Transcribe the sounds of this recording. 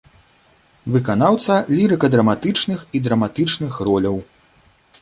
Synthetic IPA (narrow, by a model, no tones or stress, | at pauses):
vɨkan̪awt̪sɐlʲiɾɨkɐd̪ɾɐmat̪ɨt͡ʂnɨxid̪ɾɐmat̪ɨt͡ʂnɨxrɔlʲɐw